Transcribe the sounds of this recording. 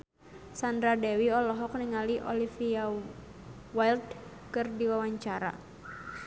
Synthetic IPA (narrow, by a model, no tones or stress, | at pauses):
sandɾadɛwiɔlɔɦɔkniŋaliʔɔlifia | wajlt̪̚kɨrdiwawaɲt͡ʃaɾa̰